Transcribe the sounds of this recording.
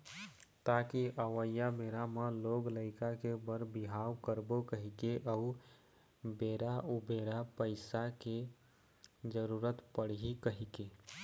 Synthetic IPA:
t̪akiʔəwəjabeɾameloːɡləɪkakebəɾbiɦawkəɾbokəɦikeʔəu | beɾaʔubeɾapəɪsake | d͡ʒəɾuɾət̪pəɽ̤ɦikəɦike

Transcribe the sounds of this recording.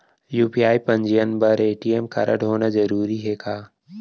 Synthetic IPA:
juːpiaːipɐ̃ɲd͡ʒijənbɐɾeːʈijemkɐ̰ɾə̰ɽɦoːnazɐɾuːɾiɦeːkaː

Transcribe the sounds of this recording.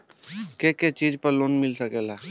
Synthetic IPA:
keket͡ʃiːd͡ʒpəɾloːnmɪlsəkeːlaː

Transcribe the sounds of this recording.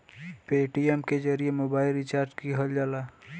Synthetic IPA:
peːʈiemked͡ʒəɾiemoːbaːɪlɾit͡ʃaːɾd͡ʒkiɦəld͡ʒaːla

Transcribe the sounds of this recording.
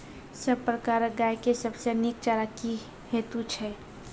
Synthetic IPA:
səbpɾəkaɾɡajkesəbsenik̚t͡ʃaɾaki | het̪ut͡ʃʰɛ

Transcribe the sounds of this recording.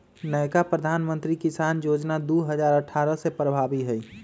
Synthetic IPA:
nəɪkapɾəd̪ʱaːnmə̃nt̪ɾikisaːnjoːd͡ʒnad̪uɦəd͡ʒaːɾəʈʰːaːɾəsepɾəbʱabiɦɛi

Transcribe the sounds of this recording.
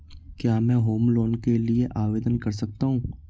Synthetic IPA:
kjaːmɛ̃ːɦoːmloːnkelieʔaːʋeːd̪ənkɐɾsɐk̚t̪aɦũː

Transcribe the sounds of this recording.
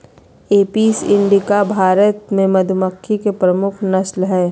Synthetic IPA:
eːpiːsɪ̃ɳɖikabʱaːɾət̪mẽmɐd̪ʱməkʰːikepɾəmʊkʰnɐslɦɛː

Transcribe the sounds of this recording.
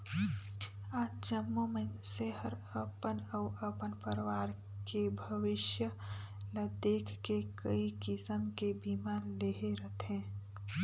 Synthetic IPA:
aːd͡ʒt͡ʃəmːomənseɦəɾəpənəːʔəpənpəɾwaːɾ | kebʱəʋɪʃjə | ləd̪eːkʰkekəikɪsəmkebimaːnleɦeɾət̪ɦɛ̃ː

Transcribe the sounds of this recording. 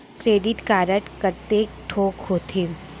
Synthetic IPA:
kɾeːɖɪʈkaːɾəʈkəɾt̪eʈʰoːkɦoːt̪ʰeː

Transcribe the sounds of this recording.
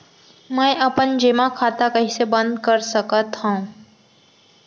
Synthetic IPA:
mɛ̃ʔəpənd͡ʒeːmakʰaːt̪akəɦĩsebə̃nd̪kəɾsəkət̪ɦã

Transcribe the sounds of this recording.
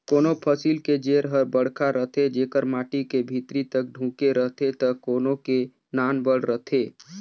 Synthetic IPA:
koːnopʰəsiːlked͡ʒeːɾɦəɾbəɽ̤kʰaɾəɦt̪ʰed͡ʒeːkəɾmaːʈikebʱit̪ɾit̪ək̚ɖʱũːkeɾəɦt̪ʰet̪əkoːnoke | naːnbəɽ̤ɾət̪ʰeː

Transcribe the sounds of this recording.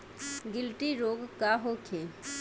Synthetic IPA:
ɡɪlʈiɾoːɡkaɦokʰe

